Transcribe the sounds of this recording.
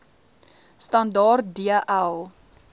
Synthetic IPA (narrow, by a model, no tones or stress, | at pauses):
stɐndɑːrt̚diəʔælˠ